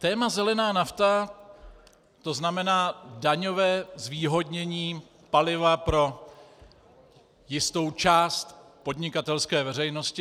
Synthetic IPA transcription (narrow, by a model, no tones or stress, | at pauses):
t̪ɛːmazɛlɛnaːnaft̪a | t̪o̞znamɛnaːdaɲo̞vɛːzviːɦo̞dɲɛɲiː | palɪvapɾo̞ | jɪst̪o̞wt͡ʃaːst̪po̞dɲɪkat̪ɛlskɛːvɛɾɛjno̞scɪ